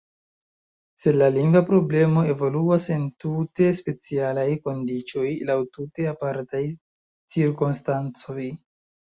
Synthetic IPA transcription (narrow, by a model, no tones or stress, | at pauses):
se̞laliŋɡapɾo̞ble̞mo̞e̞vo̞luase̞ntute̞spe̞t͡sialajko̞ndit͡ʃo̞jlawtute̞apaɾtaj | t͡siɾkonstant͡so̞j